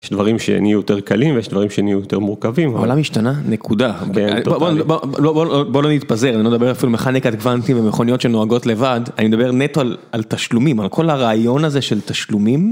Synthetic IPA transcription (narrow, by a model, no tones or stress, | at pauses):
jeʃd̪vaʁimʃḛnijujoteʁkalimvejɛʃd̪vaʁimʃenijujot̪eʁmuʁkavimolamiʃtananekʰudaa̰nboboboloboobolonit̪paze̞ʁanilomed̪abe̞ʁafilumeχanikat̪ɡvantimvemeχonijo̞tʃenoaɡo̞tle̞vadanimed̪abe̞ʁnet̪oalalt̪aʃlumimalkʰo̞laʁaːjo̞nazeʃeltaʃlumim